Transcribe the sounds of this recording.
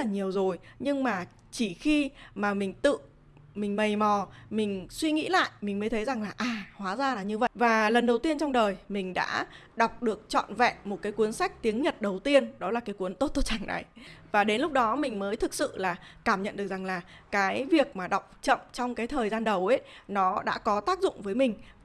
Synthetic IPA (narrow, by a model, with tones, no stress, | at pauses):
t̚laː˨˩ɲi˨˩əwzo˨˩jɲɨ˧ŋmaː˨˩ | t͡ɕi˧˩xi˧maː˨˩mï˨˩ŋ̟t̪ɨ̰˧˨ | mï̟˨˩mə˨˩jmɔ˨˩mï˨˩ŋ̟swi˧ŋḭ˧˥la̰ː˧˨jmi˨˩ŋ̟məː˨˦t̪ʰə˨˦jza˨˩ŋlaː˨˩ʔaː˨˩hwaː˨˦zaː˧laː˨˩ɲɨ˧və̰˧˨vaː˨˩lə˨˩nɗə˨˩wt̪i˧ənt͡ɕɔ˧wŋ͡mɗəː˨˩jmï˨˩ŋ̟ɗa̰ː˧˥ | ɗa˨˩wk͡p̚ɗɨ˨˩ək̚t͡ɕɔ̰˧˨nvɛ̰˧˨mo˨˩t̚kaː˨˦jkwi˨˦ənsa˦˥k̟̚t̪i˨˦əŋɲə˨˩t̚ɗə˨˩wt̪i˧ənɗɔ˨˦laː˨˩kaː˨˦jku˨˦ənt̪o˦˥t̚t̪o˧˩t͡ɕa˧˩ŋna̰˨˩jvaː˨˩ɗe˨˦nlʊ˦˥k͡p̚ɗɔ˨˦mï˨˩ŋ̟məː˨˦jt̪ʰɨ˨˩k̚sɨ̰˧˨laː˨˩kaː˧˩mɲə̰˧˨nɗɨ˨˩ək̚za˨˩ŋlaː˨˩kaː˨˦jvi˨˩ək̚maː˨˩ɗa˨˩wk͡p̚t͡ɕə̰˧˨mt͡ɕɔ˧wŋ͡mkaː˨˦jt̪ʰəː˨˩jzaː˧nɗə˨˩wʔə˨˦nɔ˨˦ɗa̰ː˧˥kɔ˨˦t̪aː˦˥k̚zʊ̰˧˨ŋ͡mvəː˨˦jmï˨˩ŋ̟